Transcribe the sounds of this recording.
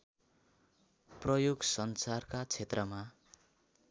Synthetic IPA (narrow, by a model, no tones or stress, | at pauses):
prʌjoɡsʌnsarkat͡sʰet̪rʌma